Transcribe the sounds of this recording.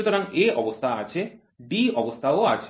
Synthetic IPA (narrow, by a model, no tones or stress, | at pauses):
ut̪oɾaŋeɔbost̪ʰaat͡ɕʰe | ɖiɔbost̪ʰaoat͡ɕʰ